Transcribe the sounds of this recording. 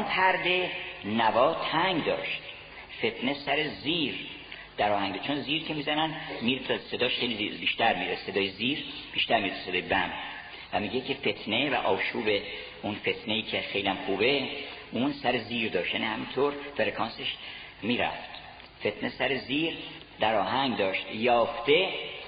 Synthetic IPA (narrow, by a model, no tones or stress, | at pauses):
npʰæɾd̪e̞nævɒːt̪ʰæŋɡd̪ɒ̰ːʃt̪ | fe̞t̪ʰne̞sæɾeziːɾ | d̪̥æɾɒːhæŋɡɟet͡ʃʰonziːɾcʰemiːzænænmiːɾet̪ʰse̞d̪ɒːʃxejlibiːʃt̪æɾmiːɾese̞d̪ɒːjeziːɾb̥iːʃt̪æɾmiːɾet̪ʰu̥seɒːjebæm | væmiːɟe̞cʰefe̞t̪ʰne̞væ̰ʔɒːʃuːbe̞ | unfe̞t̪ʰne̞iːcʰexe̞jliæmxuːbe̞unsæɾeziːɾd̪ɒːʃt̪jænihæmint̪ʰoɾfeɾekʰɒːnseʃ | miːɾæ̰ft̪ | fe̞t̪ʰne̞sæɾeziːɾ | d̪æɾɒːɦæŋd̪ɒːʃt̪jɒːft̪e̞